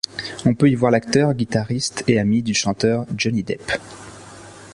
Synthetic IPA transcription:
ɔ̃pøivwaʁlakt̪œʁɡʲit̪aʁist̪eamid̪yʃɑ̃t̪œʁd͡ʒɔnid̪ɛp

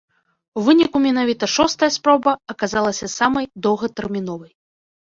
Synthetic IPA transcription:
wvɨnʲikumʲɛnavʲit̪ɐʂɔst̪ɐjɐspɾɔbɐɐkazalˠɐsʲɐsamɐjd̪ɔwɣɐt̪ɛrmʲin̪ɔvɐj

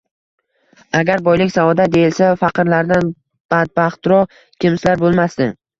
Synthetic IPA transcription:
aɡʲaɾbɒjlɪkʲsavɒd̪ad̪e̞jɪlsafaqɨɾlaɾd̪an | b̥ad̪̚baχt̪ɾɒ | kʲɪmslaɾbolˠmast̪ɪ

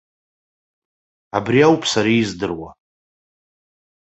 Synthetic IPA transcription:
abriawpʼʰsaɾizdɨrwa̰

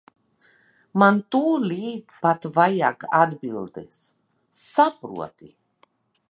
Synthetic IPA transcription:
mant̪uːlʲiːpat̪vajakad̪bilˠd̪ḛsː | apɾṵɔt̪i

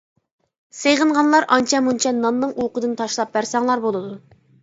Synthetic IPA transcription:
seʁənʁɑnlˠɑɾɑnt͡ʃʰɛmunt͡ʃʰɛnɑnnɨŋʔuqəd̪ɨnt̪ʰɑʃlˠɑp̚bæɾsɑŋlˠɑɾbolˠɨd̪u

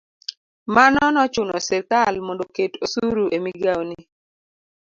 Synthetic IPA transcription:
manɔnɔt͡ʃʊnɔsɛkalmondoketosuɾuʔemiɡawni

